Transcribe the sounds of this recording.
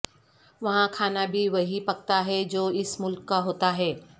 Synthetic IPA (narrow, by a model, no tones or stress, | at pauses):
ʋɐɦãkʰaːnabʱiʋɐɦipɐɡ̚t̪aɦɛd͡ʑoːɪsmʊlkːaɦoːt̪aɦɛː